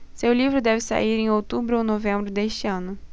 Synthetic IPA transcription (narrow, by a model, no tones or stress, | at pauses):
sewlivɾʊd̪ɛvɪsa̰iɾẽj̃owt̪ubɾʊõnovẽmbɾʊd̪eʃt͡ʃɪɐ̃nʊ